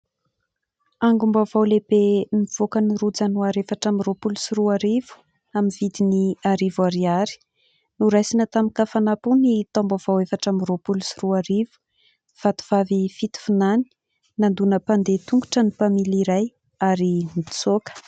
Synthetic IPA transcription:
aŋɡumbavawlebemiv̥okəniɾud͡zənuaɾefaʈ͡ʂamiropulusiɾuaɾivu̥ | aminvid̪iniaɾivuaɾiaɾi̥ | nuɾajsinət̪amikafanapunit̪ɔmbav̥awefaʈ͡ʂamiropulusiruaɾivu̥ | v̥at̪u̥v̥avifit̪i̥funani̥ | nand̪unəpand̪et̪uŋɡuʈ͡ʂənipamiliɾaj | aɾimit͡sokə̥

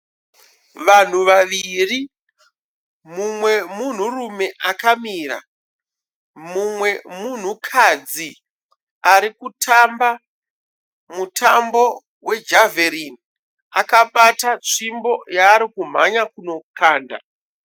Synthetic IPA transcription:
ʋan̤uʋaʋiri | mumwe̞mun̤urume̞ʔakamiːɾa̰ | mumwe̞mun̤ukʰad͡zi | aɾikutʰamba | mutʰambo̞ | we̞d͡ʒaveɾin | akaɓatat͡ʂimbo̞jaːɾikum̤a̰ɲakuno̞kaːnda̰

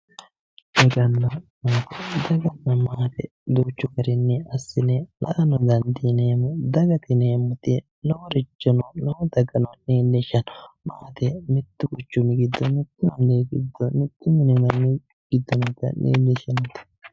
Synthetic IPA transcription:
ʔɔɡɐnːɐmaːt̪ɛd̪ɐɡɐnːɐmaːt̪ɛ | d̪oːt͡ʃːʊkɐɾɪnːɛɐsːɪnɛlɐʔɐnɔd̪ɐnd̪ineːmɔd̪ɐɡɐt̪ɪneːmːʊt̪ɪ | nɔɔɾɪt͡ʃːɔnɔnɔɔd̪ɐɡɐnɔneːlːeʃɐnmaːt̪ɛmɪt̪ːʊkʊt͡ʃːʊmːɪɡɪd̪ːɔmɪt̪ːʊmɐneːɡɪd̪ːɔmɪt̪ːʊmɪnɛnɐnːɛ | ɡ̥ɪd̪ːɔnɐd̪ɐ̰nʔḛːlːeːʃɐnɐt̪ɪ̥

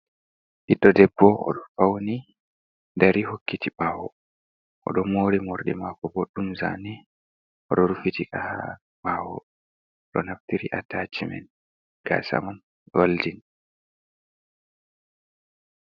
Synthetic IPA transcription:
ʔiɗɔdɛbːɔʔɔ̰ɗɔfawni | ndaɾihokːitiɓaːwɔ | ʔɔ̰ɗɔmoːɾimoɾɗɛ̰makɔbɔɗːumza̰ni | ʔɔɗɔɾufitikaha | ɓaːhɔ̰ | ɗɔnaftiɾiʔatat͡ʃimɛ̰n | ɡ̥a̰sa̰man | waldin

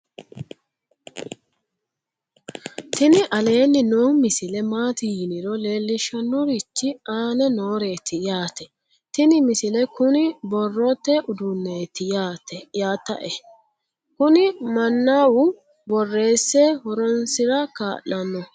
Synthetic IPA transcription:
t̪ɪnɪʔɐle̞ːnːɪnoːmɪsɪlɛmaːt̪ɪjɪnɪɾɔle̞ːlːɪʃɐnːɔɾɪt͡ʃːɪaːnɛnoːɾe̞ːt̪ʰɪjaːt̪ɛ | t̪ɪnɪmɪsɪlɛkʊnɪbɔrːɔt̪ːɛʔʊd̪ʊnːeːt̪ɪjaːt̪ɛjaːt̪ːɐ̰ʔɛ | kʊnɪmɐnːawʊ | bɔrːe̞ːsːehɔɾɔnsɪɾɐka̰ːʔɐnːɔ

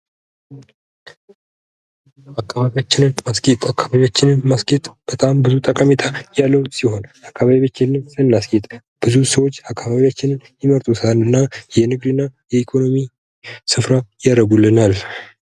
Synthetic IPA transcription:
akːaβaβiat͡ʃːɪnɨnmaskʼet̪ʼakʰːaβaβiat͡ʃːɪnɨnmasket̪ʼb̥ət̪ʼambɨzut̪ʼəkʼamet̪ʰajalːəwsiho̞nʔakːaβaβiat͡ʃːɪnɨnsɨnːaskʼet̪ʼ | b̥ɨzusəwo̞t͡ʃːakːaβaβiat͡ʃːɪnɨnjɪməɾt̪ʼusalɨnːajɛnɨɡd̪ɨnːajɛikʰo̞no̞mi | sɨfɾajaɾəɡulːɨnal

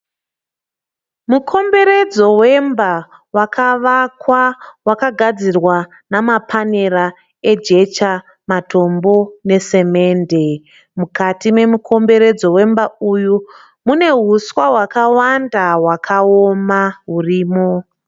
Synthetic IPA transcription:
mukʰo̞mbe̞ɾe̞d͡zo̞we̞mba | wakʰaʋakwawakaɡʱad͡zirwa | namapʰane̞ra | e̞d͡ʒe̞t͡ʃa | mato̞mbo̞ne̞se̞me̞ːnde̞ | mukatime̞mukʰo̞mbe̞ɾe̞d͡zo̞we̞mbauju | mune̞ɦuswaɦwakawandaɦwakʰaomaɦuriːmo

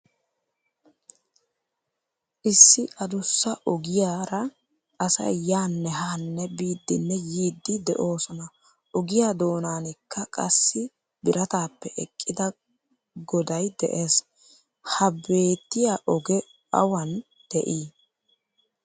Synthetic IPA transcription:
ʔɪsːɪʔɐd̪ʊsːɐʔɔɡɪjaːɾɐ | ʔɐsɐ̰jjaːnːɛɦaːnːɛbiːd̪ːɪnːɛjiːd̪ːɪd̪ɛʔo̞ːsɔnɐ | ʔɔɡɪjaːd̪o̞ːnaːnɪkʰːɐkʼɐsːɪ | bɪɾɐt̪aːpːɛʔɛkʼːɪd̪ɐ | ɡɔd̪ɐjd̪ɛʔeːs | hɐbe̞ːt̪ːɪjaʔɔɡɛ | ɐwɐn | d̪̥ɛʔiː

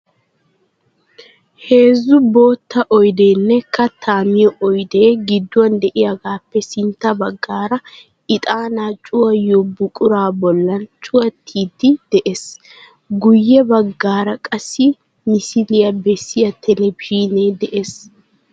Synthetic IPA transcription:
he̞ːzːʊbo̞ːt̪ːɐʔɔjd̪e̞ːnːɛkɐt̪ʰːaːmɪjɔʔɔjd̪e̞ːɡɪd̪ːʊwɐnd̪ɛʔɪjaɡaːpːɛsɪnt̪ːɐbɐɡːaːɾɐ | ɪt̪ʼaːnaːt͡ʃʼʊwɐjɔbʊkʼʊɾaːbɔlːɐnt͡ʃʼʊwɐt̪ʰːiːd̪ːɪd̪̥ɛʔes | ɡʊjːɛbɐɡːaːɾɐkʼɐsːɪ | mɪsɪlɪjɐbɛsːɪjɐt̪ʰɛlɛbɪʃineːd̪ɛʔes

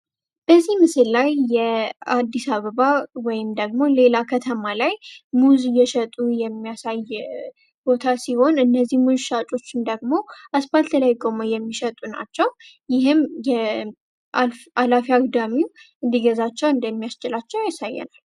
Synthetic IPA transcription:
b̥əzːihmɨsɨlːajːɛad̪ːisaβəβawɔjɪmd̪əɡmo̞le̞lakʰət̪ʰəmalajmuzjɛʃət̪ʼujɛmːijasaj | b̥o̞t̪ʰasiho̞nɨnːəzːihmuzʃat͡ʃʼo̞t͡ʃːɪnd̪əɡmo̞ʔaspalt̪ʰəlajkʼoməjɛmːiʃət̪ʼuna̰t͡ʃːɛw | jɪɦɨmjɛ | ʔalfalafiaɡd̪amiwʔɨnd̪iɡəzat͡ʃːɛwɨnd̪əmːijast͡ʃɪlat͡ʃːɛwjasajːɛ̰nal

